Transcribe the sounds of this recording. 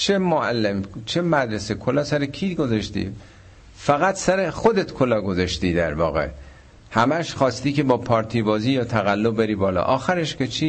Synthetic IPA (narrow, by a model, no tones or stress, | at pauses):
t͡ʃʰemoælːemt͡ʃʰemæd̪ɾesekʰolɒːsæɾekʰiːɡo̞zɑʃt̪ḭː | fæɣæt̪sæɾexod̪et̪kʰolɒːɡo̞zɑʃt̪iːd̪æɾvɒ̰ːɣḛ | hæmæʃχɒːst̪iːke̞bɒːpʰɒːɾt̪ʰiːbɒːziːjɒːt̪ʰæɣælːobbeɾiːbɒːlɒ̰ʔɒːxæɾeʃkʰet͡ʃʰiː